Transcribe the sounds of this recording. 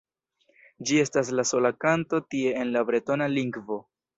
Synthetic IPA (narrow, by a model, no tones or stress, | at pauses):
d͡ʒie̞stas̬laso̞lakanto̞tie̞ːnlabɾe̞to̞naliŋɡvo̞